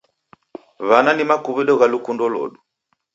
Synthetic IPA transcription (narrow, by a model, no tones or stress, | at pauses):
βananimakuβiɗɔɣalukundɔlɔ̰ɗu